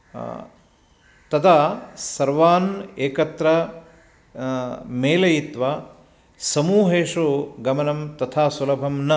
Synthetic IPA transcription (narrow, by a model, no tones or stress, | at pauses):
t̪ɐt̪ʰaːsɐɾʋaːneːkɐt̪ɾɐ | meːlɐjit̪ʋaː | sɐmuːɦeːʂoːɡɐmɐnɐmt̪ɐt̪ʰaːsulɐbʱɐmnɐ